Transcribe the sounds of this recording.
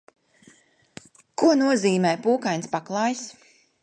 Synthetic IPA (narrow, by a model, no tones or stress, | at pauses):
kuɔnuɔziːmɛːjpuːkajnspaklˠɑːjs